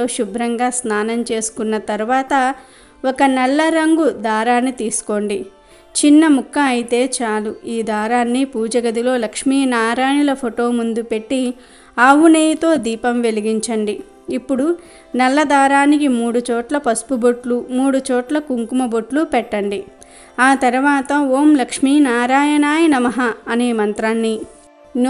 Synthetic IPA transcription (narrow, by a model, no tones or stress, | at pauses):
oːʃubʱɾɐŋɡaːsnaːnɐmt͡ʃe̞ːsu̥kunːɐt̪ɐɾuʋaːt̪ɐ | ɔkɐnɛlːɐɾɐŋɡud̪aːɾaːnːit̪iːsu̥ko̞ːɳɖi | t͡ʃinːɐmukːɐɐjit̪e̞ːt͡ʃaːluiːd̪aːɾaːnːipuːd͡ʒɐɡɐd̪ilo̞ːlɐkʂmiːnaːɾaːnulɐpʰoʈo̞ːmund̪upe̞ʈːi | aːʋuneːjit̪o̞ːd̪iːpɐmʋe̞liɡiɲt͡ʃɐɳɖiː | pːuɽu | nɐlːɐd̪aːɾaːnikimuːɽut͡ʃɔːʈlɐpɐspuboʈlumuːɽut͡ʃɔːʈlɐkuŋkumɐboʈlupɛʈːɐɳɖi | aːt̪ɐɾɐʋaːt̪ɐoːmlɐkʂmiːnaːɾaːjɐnaːjinɐmɐɦɐːneːmɐnt̪ɾaːnːi | n